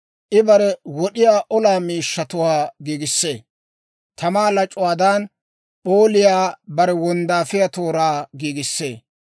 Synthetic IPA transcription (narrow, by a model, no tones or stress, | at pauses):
ʔɪbɐɾɛwɔɗɪjaːʔɔlaːmiːʃːɐt̪ʊwaːɡiːɡɪsːe̞̰ː | t̪ɐmaːlɐt͡ʃʼʊwaːd̪aːn | pʼoːlɪjaːbɐɾɛwɔnd̪aːfɪjat̪oːɾaːɡiːɡɪsːe̞̰ː